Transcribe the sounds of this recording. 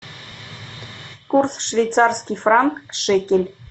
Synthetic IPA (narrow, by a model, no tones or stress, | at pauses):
kursʃvʲej̪t͡sɑrskʲifrɑŋkʃekʲelʲ